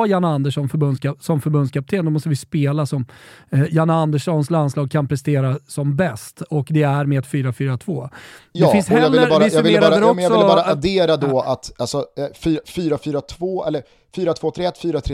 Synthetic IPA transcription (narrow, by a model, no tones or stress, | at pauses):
janaand̪əʂɔnfœɾbɵnskʰasɔmfœɾbɵnd̪skʰap̚t̪ʰeːnd̪ɔmɔst̪əvɪspeːlasɔmjanaand̪əʂɔnslanslɑːɡ̚kʰanpʰɾɛst̪eːɾasɔmbɛst̪ɔkd̪ɛæɾmeːd̪fyːɾafyːɾat̪ʰv̥oːɛfɪnshɛjɑlvɪlːəɑːvɪsɑvɪlːɾaɾdəɾɔkmɛsɑvɔɪlːɑːɾaad̪eːɾad̪ɔat̪alsɔfyːɾafyːɾafyːɾat̪ʰvoːɛlːəɾ | fyːɾat̪ʰvoːt̪ʰɾeːɛt̪ːfyːɾat̪ʰɾe